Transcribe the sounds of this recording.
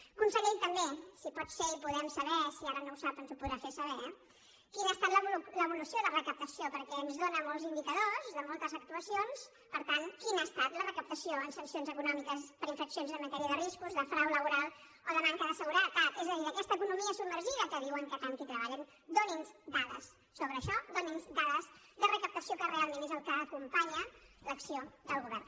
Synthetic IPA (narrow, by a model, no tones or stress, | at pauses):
kunsəɣimt̪əmbesipɔt̪feipuðɛmsəβɛsiaɾənousapənzupuðɾafesəβɛ | kinast̪at̪ləβləβulusioðərəkəp̚t̪əsiopəɾkɛənzðonəmolˠzimb̪it̪əðozðəmolˠt̪əzək̚t̪uəsions | pəɾt̪aŋkinast̪at̪lərəkəp̚t̪əsijoənsənsionzəkunɔmikəspəɾiɱfəksionzənmːət̪ɛɾiəðəriskuzðəfɾawləβuɾalˠ | oðəmaŋkəðəsəɣuɾət̪at̪ɛzəðiðəkɛst̪əːkunumiəsub̚mːəɾʒiðəkəðiwəŋkət̪ant̪it̪ɾəβ̞aʎən | d̪oninzd̪aðə̰sːoβɾəːʃɔd̪oninzd̪aðəzd̪ərəkəp̚t̪əsiokərealˠmẽnezəlˠkəːkumpaɲələksiod̪əlˠɣuβɛ̰rn